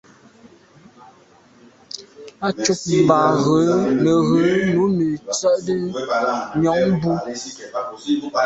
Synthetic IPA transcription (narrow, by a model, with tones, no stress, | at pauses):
a˦t͡ʃu˦p̚m̩˨ba˨ɣə˨˦nə˨ɣə˨˦˨nu˨˦mi˨t͡sə˦˨ʔdə˦ | ɲɔ˨˦ŋbu˦